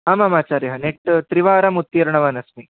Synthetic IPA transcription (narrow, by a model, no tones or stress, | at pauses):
amɐmaːt͡ʃaːɾjɐɦɐneʈt̪ɾiʋaːɾɐmut̪ːjiɾɳɐʋaːnɐsmi